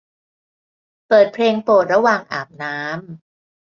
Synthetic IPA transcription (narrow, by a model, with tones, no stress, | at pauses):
pɤː˨˩t̪̚pʰleː˧ŋpoː˨˩t̪̚ɾa˧waː˨˩ŋʔaː˨˩p̚naː˦˥m